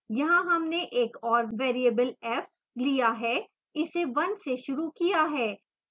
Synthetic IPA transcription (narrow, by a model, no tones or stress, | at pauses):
jɐɦãɦɐmneʔeːkɔːɾʋeːɾiəbəlɛːf | lijaɦɛː | ɪseʋɐnseʃʊɾukijaɦɛː